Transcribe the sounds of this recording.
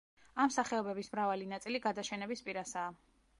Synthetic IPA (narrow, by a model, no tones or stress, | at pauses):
amsaχɛɔbɛbismɾavalinat̪sʼiliɡad̪aʃɛnɛbispʼiɾasaː